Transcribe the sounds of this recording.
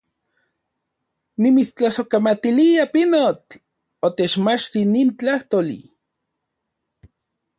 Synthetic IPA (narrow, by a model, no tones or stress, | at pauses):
nimit͡st͡ɬasokamat̪iliapinot͡ɬ | ot̪et͡ʃmat͡ʃt̪iniːnt͡ɬaht̪olḭ